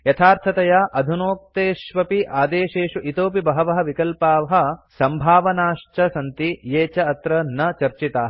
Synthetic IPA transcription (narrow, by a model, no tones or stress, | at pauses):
jɐt̪ʰaːɾt̪ʰɐt̪ɐjaːʔɐd̪ʱunoːk̚t̪eːʃʋɐpiʔaːd̪eːʃeːʂuʔit̪oːpibɐɦɐʋɐɦɐ̆ʋikɐlpaːʋɐɦɐ̆sɐmbʱaːʋɐnaːʂt͡ʃɐsɐnt̪ijeːt͡ʃɐːt̪ɾɐnɐt͡ʃɐɾt͡ʃit̪aː